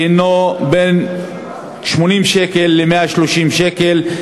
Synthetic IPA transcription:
noben | ʃmonimʃekelːemeaʃloʃimʃekel

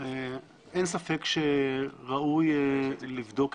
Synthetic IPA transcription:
e | ensafe̞kʃeʁaujlivd̪o̞k

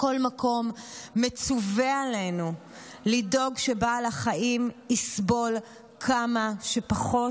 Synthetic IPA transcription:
ko̞lmako̞mːet͡suveale̞nu | lido̞ɡʃebaːlaχaimisbo̞l | kʰamaʃepaχo̞

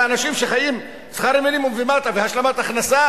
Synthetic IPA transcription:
anaʃimʃe̞χajim | sχaɾimenimumvimat̪aveɦhaʃlamat̪aχnasa

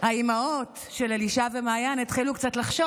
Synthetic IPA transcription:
haimaot | ʃe̞laliʃavemaːjanet̪χilukt͡satlaχʃo

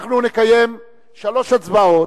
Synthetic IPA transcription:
χnunekaje̞m | ʃalo̞ʃatt͡sbao

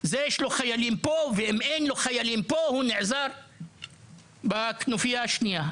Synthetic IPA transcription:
zejeʃloχajalimpoveimʔejnloχajalimpohuneʕzaɾ | baknufijaʃnija

